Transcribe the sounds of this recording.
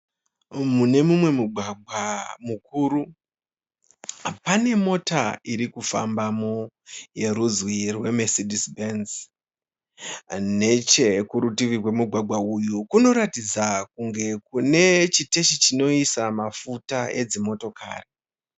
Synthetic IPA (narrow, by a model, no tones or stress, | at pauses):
mune̞mumwe̞muɡʱwaɡʱwamuk̚uːɾu | pane̞mo̞taiɾikufa̰mbamo | je̞ɾuzwirwe̞mesidʱisbenz | ne̞t͡ʃe̞kuɾutiʋirwe̞muɡʱwaɡʱwaujukuno̞ɾatid͡zakuŋɡe̞kune̞t͡ʃite̞ʃit͡ʃino̞isamafutae̞d͡zimo̞to̞ka̰ːre